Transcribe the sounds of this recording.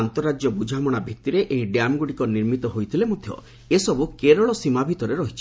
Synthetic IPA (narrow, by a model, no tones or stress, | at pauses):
ant̪ɔɾad͡ʒjɔbud͡ʒʱamɔɽ̃abʱit̪iɾeʔeɦiɖjamɡuɽikɔniɾmit̪ɔɦojt̪ʰilemod̪ʱjɔ̰ | esɔbukeɾɔɭɔsimabʱit̪ɔɾeɾɔɦit͡ʃʰi̥